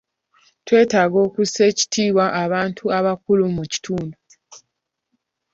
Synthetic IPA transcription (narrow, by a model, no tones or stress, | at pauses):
twe̞ːtaːɡo̞ːkuseːci̥tʰiːβwaʔaβaːntʰuaβakulumuci̥tʰuːndu